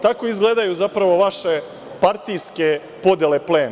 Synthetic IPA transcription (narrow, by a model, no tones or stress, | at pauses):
t̪ako̞izɡleːd̪ajuzapɾaʋo̞ʋaʃe̞ | paɾt̪ijske̞ | po̞d̪jelepleːn